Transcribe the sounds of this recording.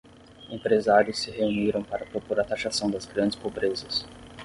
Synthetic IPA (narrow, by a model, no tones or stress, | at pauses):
ẽmpɾezaɾjʊsːɪheuniɾɐ̃w̃paɾɐpɾopoɾat̪aʃasɐ̃w̃d̪ɐzɡɾɐ̃nd͡ʒɪspobɾezɐs